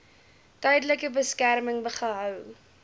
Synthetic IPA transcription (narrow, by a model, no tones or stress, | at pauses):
tœjdələkəbəskærməŋbəχəɦœw